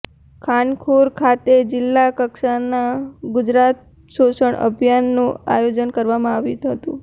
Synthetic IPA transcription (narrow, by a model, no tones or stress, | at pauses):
kʰankʰuɾkʰat̪ed͡ʒɪlːakəkʃanaɡʊd͡ʒɾat̪̚ | ʃosəɳʔə̰bʱjanːũa̰jod͡ʒənkəɾʋamãaʋit̪ɦət̪ṵ̃